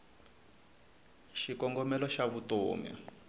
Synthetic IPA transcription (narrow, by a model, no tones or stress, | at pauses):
ʃikɔŋɡɔmɛlɔʃaβuto̰ːmɛ̰